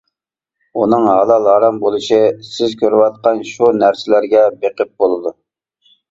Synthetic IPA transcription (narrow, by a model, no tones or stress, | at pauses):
unɨŋɦɑlˠɑlˠɑɾɑmbolˠɨʃisɪzkʲøɾwɑt̪̚qɑnʃunæɾsɪlæɾɡʲɛbeqəp̚bolˠɨd̪u